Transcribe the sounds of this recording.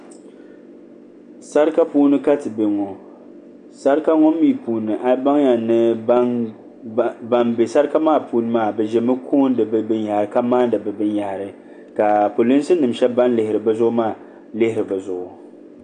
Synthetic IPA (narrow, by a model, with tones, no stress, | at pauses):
sa˦ɾɨ˦ka˦puː˦nɨ˦ka˦tɨ˨be˨ŋɔ˨ | sa˦ɾɨ˦ka˦ŋɔ˦mːiː˦˨puː˨nɨ˨ʔa˦ba˦ŋ˦ja˨nɨ˦ | ba˨mbe˨sa˦ɾɨ˦ka˦maː˦puː˦nɨ˦maː˦˨bɛ˨ʒɛ˨˦mɨ˦kʰoː˦n˦dɨ˨bɨ˦bɨ˦nja˨hɾɨ˨ka˦maː˦n˦dɨ˨bɨ˨bɨ˦nja˨hɾɨ˨ | ka˨po˨li˦n˦sɨ˦nɨ˨mʃɛ˦ba˦nlɪ˨hɪ˨ɾɨ˨bɨ˦zʊ˦ʔʊ˦maː˦˨ | lɪ˦hɪ˨ɾɨ˨bɨ˨zʊ˨ʔʊ˨